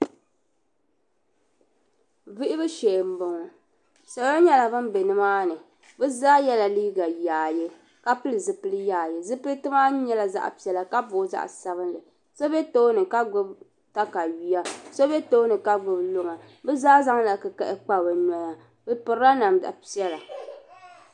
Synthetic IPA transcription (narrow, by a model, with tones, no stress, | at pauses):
vi˦ʔɪ˦bɨ˦ʃe˨m̩˨bʊ˨ŋ˨ | sa˨ba˦ɲɛ˦la˨bɨ˦m˦bɛ˨nɨ˦maː˦nɨ˨ | bɨ˦zaː˦jɛ˦la˨liː˦ɡa˨jaː˨jɛ˦ | ka˦pɨ˦lɨ˨zɨ˦pɨ˦lɨ˦jaː˨jɛ˨zɨ˦pɨ˦lɨ˦tɨ˦ma˦ɲɛ˦la˨za̰˦ʔa̰˨pi˨ɛ˨la˨ka˦bʊ˨˦za̰˦ʔsa˦βɨ˦nlɨ˨ | so˦bɛ˦to˦nɨ˨ka˦ɡʊ˦b | ta˦ka˨ɥi˨ja˦so˦bɛ˦to˦nɨ˨ka˦ɡʊ˨blo˦ŋa˨ | bɛ˦zaː˦za˦ŋ˦la˨kɨ˨kɛ˦ʔɪ˦k͡pa˦˨bɨ˨nɔ˨ɲa˨ | bɨ˦pɨ˨ɾa˦na˨ma̰˨pi˦ɛ˦la˨